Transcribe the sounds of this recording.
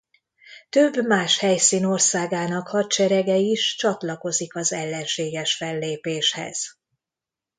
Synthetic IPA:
t̪øbːmaːʃhɛjsiːno̞rsaːɡaːnɒkhɒt̪̚t͡ʃɛɾɛɡɛiʃt͡ʃɒt̪lɒko̞zikɒzɛlːɛnʃeːɡɛʃfɛlːeːpeːʃhɛ̰z̥

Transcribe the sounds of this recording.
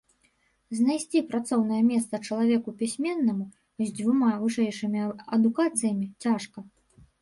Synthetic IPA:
zʲnajsʲt͡sʲipɾat̪sɔwnɐjɐmʲɛst̪sɐt͡ʂɐlˠavʲɛkupʲisʲmʲɛnːɐmu | zʲd͡zʲvumavɨʂɛjʂɨmʲiɐd̪ukat̪sɨjɐmʲit͡sʲaʂkɐ

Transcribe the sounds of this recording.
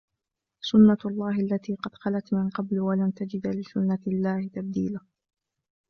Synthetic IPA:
sʊnːalˤːɑːɦʔalːat̪iːqɑd̪xalat̪mɪnqɑblwalant̪ad͡ʒɪd̪lɪsʊnːalːaːhɪt̪ab̚d̪iːla

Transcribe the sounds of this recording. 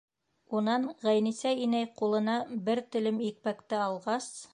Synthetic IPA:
unɑnʁæjnisæinæjqulˠɤ̆nɑbɘɾt̪ɘ̆lɘmik̚pækt̪ɘɑlˠʁɑs

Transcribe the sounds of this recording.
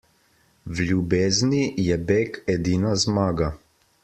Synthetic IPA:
wlʲubeːznijɛbeːkɛd̪iːnazmaːɡa

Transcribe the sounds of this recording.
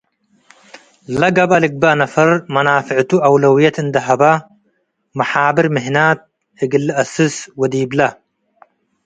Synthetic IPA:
lɐɡɐbɐliɡ̚bɐnɐfɐɾmɐnaːfɪʕt̪uʔɐwlɐwijɐt̪ɨnd̪ɐɦɐbɐ | mɐħaːbɪɾmɪɦnaːt̪̚ | ɪɡilːʔɐsɨswɐd̪iːblɐ

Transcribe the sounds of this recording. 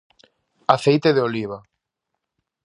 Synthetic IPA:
aθejt̪eðeoliβ̞a

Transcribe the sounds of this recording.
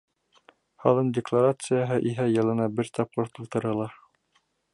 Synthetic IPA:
hɑ̰lˠɤndʲɪklˠaɾat̪sɨjaɦɤʔiɦæjɤ̆lˠɤ̆nɑbɘɾt̪ɑp̚qɤɾt̪ulˠt̪ɤ̆ɾɤ̆lˠɑ

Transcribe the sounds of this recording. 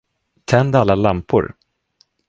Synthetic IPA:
t̪ʰɛnd̪alːalampʊ̰ɾ

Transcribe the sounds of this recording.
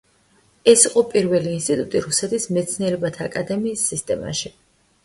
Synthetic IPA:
ɛsiqʼɔpʼiɾvɛliːnst̪ʼit̪ʼut̪ʼiɾusɛt̪ʰismɛt̪sʰniɛɾɛbat̪ʰaːkʼad̪ɛmiːsːist̪ʼɛma̰ʃi

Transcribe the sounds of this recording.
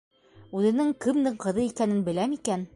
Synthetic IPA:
ʉðɘ̆nɘŋkɘ̆md̪ɘɴqɤ̆ðɤikænɘnbɘ̆læmikæn

